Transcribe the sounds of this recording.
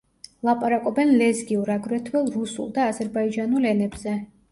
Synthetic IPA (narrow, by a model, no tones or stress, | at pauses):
lˠapʼaɾakʼɔbɛnlɛzɡiuɾaɡɾɛt̪ʰwɛlˠɾusṵlˠd̪aːzɛɾbaid͡ʒanulɛnɛbz̥ɛ